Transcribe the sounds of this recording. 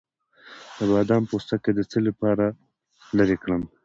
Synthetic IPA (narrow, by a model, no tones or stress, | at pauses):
d̪̥əbɑd̪ɑmpost̪aked̪ət͡səlapɑːɾa | ləɾekɽəm